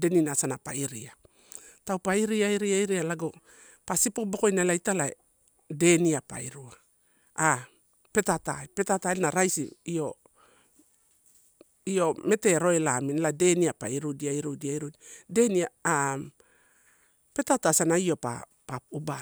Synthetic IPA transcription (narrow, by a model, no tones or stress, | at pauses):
de̞ninasanapaiɾia | taupaiɾiaiɾiaiɾialaɡo | pasipo̞bo̞ko̞jnalajtala | de̞niapa̰iɾua | a | pe̞tataepe̞tatanaɾajsiio̞ | io̞me̞te̞ɾo̞elaminelade̞niapa̰iɾudiaiɾudiaɾude̞niaa | pe̞tatasanaio̞pa̰ | pauba